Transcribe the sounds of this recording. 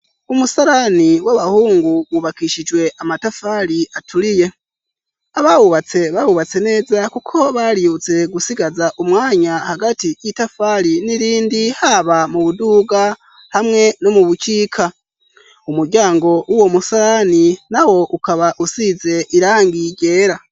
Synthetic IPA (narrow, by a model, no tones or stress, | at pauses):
umusaɾaniwaβahuːŋɡuwuβakiʃid͡ʒwe̞ʔamatafaɾiatʰuɾije̞ | aβaβuβat͡se̞βaβuβat͡se̞ne̞ːzakukʰo̞βaɾiut͡se̞ɡusiɡazaʔumŋaːɲahaɡatijitafaɾiniɾiːndihaβamuβuduɡa | hamŋe̞no̞muβut͡ʃiːkʰa | umuɾɟaːŋɡo̞ʔuwo̞musaɾaninawo̞ʔukaβaʔusize̞ʔiɾaːŋɡiɾɟe̞ːɾa